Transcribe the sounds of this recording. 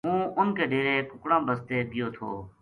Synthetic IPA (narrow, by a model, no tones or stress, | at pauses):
ɦũːʊnkeːɖeːɾeːkʊkɽãːbəst̪eːd̪ɪjoːt̪ʰo̰ː